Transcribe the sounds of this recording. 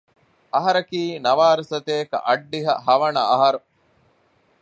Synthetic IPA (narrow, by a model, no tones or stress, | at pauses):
ʔɐɦɐɾɐkiːnɐʋaːɾɐsɐt̪eːkɐ̰ʔɐɖːiɦɐ̰hɐʋɐnɐːɦɐɾu